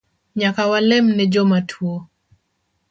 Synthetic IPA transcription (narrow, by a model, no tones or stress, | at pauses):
ɲakawalɛmnɛd͡ʒomatʰwo